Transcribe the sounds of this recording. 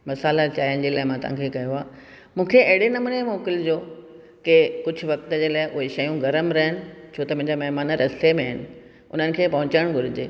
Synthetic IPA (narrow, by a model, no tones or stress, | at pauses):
mɐsaːlat͡ɕaːijən̆d͡ʑeːlaːɪmãːt̪ʊʋ̤ã̰kʰekɐjoaː | mũːkʰeɐɦɪɽenɐmʊnemoːkɪld͡ʑoː | kekʊd͡ʑʱʊ̆ʋɐk̚t̪ə̆d͡ʑeːlaːɪʔʊɦeʃɐjũɡɐɾəmɾɐɦɪnɪ̆t͡ɕʰoːt̪ɐmũɦɪ̃ɲd͡ʑamɐɦɪmaːnəɾɐst̪emẽɦɪnɪ̆ | ʊ̰n̤ənɪ̆kʰeːpɐɦʊ̃t͡ɕəɽ̃ɡʱʊɾɪd͡ʑḛː